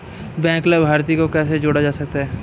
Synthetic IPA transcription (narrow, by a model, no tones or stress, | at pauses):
bɛ̃ːŋklabʱaːɾt̪ikokɛːs̬ed͡ʒoːɽad͡ʒaːsɐk̚t̪aɦɛː